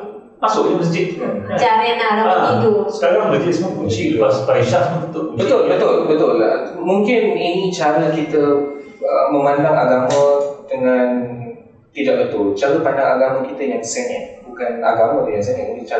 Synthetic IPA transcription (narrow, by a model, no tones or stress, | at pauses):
masʊʔɲaməs̬d͡ʒɪt̪̚umanad͡ʒamananaait̪usə̥kaɾaŋləd͡ʒɪsmə̃ŋkuɲt͡ʃiləasupaiʃafunut̪ʊʔməbət̪ʊlbət̪ʊlbət̪ʊla̰muŋkɪninĩt͡ʃaɾəkit̪ə | əməmandaŋaɡamə̃dəŋãn | t̪idaʔ̚bət̪ʊlt͡ʃaɾəpandaŋaɡaməkit̪əjaŋsɛnɛt̪̚bukana̰ɡamədəŋans̬ɛnɛt̪init͡ʃa